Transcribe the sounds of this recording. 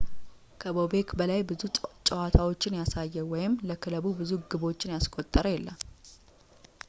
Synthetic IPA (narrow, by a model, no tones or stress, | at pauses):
kʰəbobe̞kbəlajbɨut͡ʃʼəwat̪ʰawot͡ʃːɪnjasajːɛwɔjɪmːləkʰɨləβubɨzuɡɨbo̞t͡ʃːɪnjaskʼot̪ʼːəɾəjɛlːəm